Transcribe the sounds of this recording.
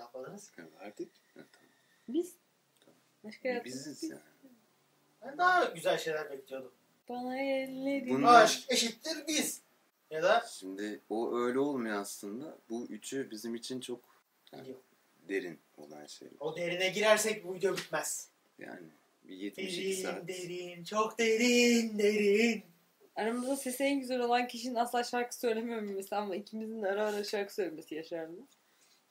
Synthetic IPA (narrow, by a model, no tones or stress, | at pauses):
apʰalˠɯnɯzɛaɾt̪ʰic̚ | ɛ̰t̪ʰam | biz | t̪ʰamamaʃkabizizja̰ːn | b̥ænd̪aɦaɟyzælʲʃe̞jlʲæɾbɛclʲijo̞d̪um | b̥anaɛned̪unaʃeʃit̪lʲiɾbiz̥ | jad̪aʃimd̪ɪoʔø̞jlʲɛo̞lˠmujoaslˠɯnd̪abuyt͡ʃʰybizimit͡ʃʰint͡ʃʰo̞k | a̰ | d̪e̞ɾin | o̞̰lˠa̰nʃḛjlɛ̰od̪e̞ɾinɛɟiɾæɾsɛc̚bujd̪obit̪mæz̥ | ja̰ːnɪ | bijet̪eɾʃind̪eɾint͡ʃʰokd̪eɾind̪eɾin | aɾamuzase̞siɛnɟyzeɾo̞lˠancʰiʃininaslˠaʃaɾkɯ̥sø̞jlʲe̞mijomumːesamaicʰimizind̪aɾavaɾaʃaɾkɯsøjlʲeme̞sijaʃaɾnmɯ